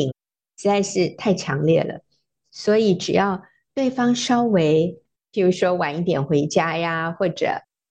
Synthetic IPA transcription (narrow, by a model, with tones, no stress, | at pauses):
i˨˩ŋ | ʂ̩˧˥t͡sa˥˧ɪʂɻ̩˥˧t̪ʰa˥˩ɪt͡ɕʰjɑ˧˥ŋljɛ˥˩lə̰˩ | swɔ˧˥i˨˩ʈ͡ʂɻ̩˨˩jɑ˥˩˧ʊ | t̪we˥˩ɪfɑ˥ŋʂɑ˥ʊwe˧˥ɪ | pi˨˩ɻu˧˥ʂwɔ˥wa˨˩˦ni˥˩t̪jɛ˨˩nxwe˧˥ɪt͡ɕja˥ja˧xwɔ˥˩ʈ͡ʂɤ̰˩˦